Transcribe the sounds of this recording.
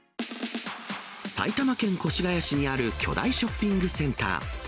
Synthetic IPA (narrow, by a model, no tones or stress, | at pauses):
sa̰it̪amakẽ̞ŋko̞ɕiɡajaɕiɲ̟iaɾɯ̟kʲʰo̞̰d̪a̰iɕo̞pʲːĩŋɡɯ̟sẽ̞nt̪a̰ː